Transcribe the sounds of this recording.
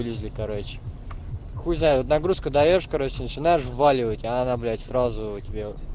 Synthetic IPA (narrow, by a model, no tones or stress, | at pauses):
ɨlʲɪzʲlʲɪkɐɾot͡ɕɪ̥ | xuznaɪot̪nɐɡɾuskəd̪ɐjoʂkɐɾot͡ɕːɪnət͡ɕɪnajɪʂvalʲɪvətʲanablʲæt̪ʲsɾazʊʊtʲɪbʲe